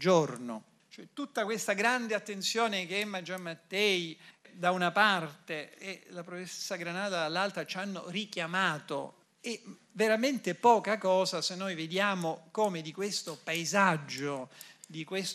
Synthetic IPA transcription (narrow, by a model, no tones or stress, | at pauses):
d͡ʒorno̰ | t͡ʃoɛt̪ːut̪ːakwest̪aɡɾand̪eat̪ːent̪sjoːnekeɛmːad͡ʒamːat̪ːɛid̪aunapart̪eːlapɾoessːaɡɾanaːd̪ad̪alːalt̪ɾat͡ʃanːo̰rikjamaːt̪o̰ | e | veɾament̪epɔːkakɔːzasenːojved̪jaːmokoːmed̪ikwest̪opaezad͡ʒːod̪ikwes